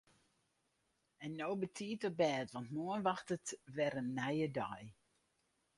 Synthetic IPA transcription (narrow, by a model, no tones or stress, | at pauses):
ɛnːoːbətʰiːtəbɛːtʋɑntmoənʋaxtətʋɛɾənːɛjədɔj